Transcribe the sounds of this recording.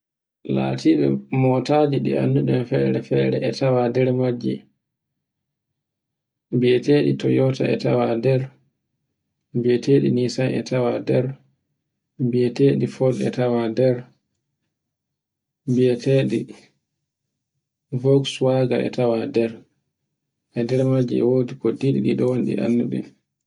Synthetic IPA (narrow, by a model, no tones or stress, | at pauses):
la̰ːtʰiːɓɛmɔtaːd͡ʒiɗḭa̰nːduɗɛmfɛːɾɛfɛːɾɛ̰ɛtʰawadɛɾmad͡ʒːḭ | bieteɗitɔjɔta̰ɛ̰tawadɛɾ | bɛteɗinisanɛ̰tʰawadɛɾ | biɛteːɗifɔlɛ̰tawadɛɾ | biɛteːɗḭ | vɔkswaɡaʔɛ̰tawadɛɾ | ʔɛdɛɾmad͡ʒiɛ̰woːdikɔdiɗiɗiɗɔwonɗḭʔa̰nːuɗɛ̰n